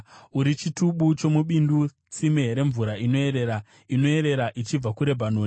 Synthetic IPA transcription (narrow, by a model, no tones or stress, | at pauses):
uɾit͡ʃituɓut͡ʃo̞muɓindu | t͡simeɾe̞ɱvuɾaino̞e̞ɾe̞ɾa | ino̞e̞ɾe̞ɾaʔit͡ʃib͡vakuɾe̞bʱanoːni